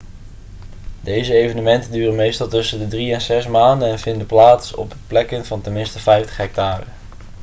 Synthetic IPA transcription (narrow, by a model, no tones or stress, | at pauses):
dejzəejvənəmɛntəndyːrənmejstɑlˠtɵsəndədriɛnzɛsmaːndənɛnvɪndəplaːtsɔ̰bplɛkənvɑntɛnmɪnstəfɛjftə̥χɦɛk̚taːrə